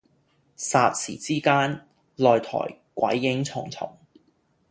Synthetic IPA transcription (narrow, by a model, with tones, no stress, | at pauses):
saː˨˧t̚sḭː˨˩t͡siː˥kaː˥n | lɔː˨jt̪ʰɔ̰ː˨˩j | kʷɐ̰˨˥jːɪ˨˧˥ŋt͡sʰʊ˨˩ŋt͡sʰʊ̰˨˩ŋ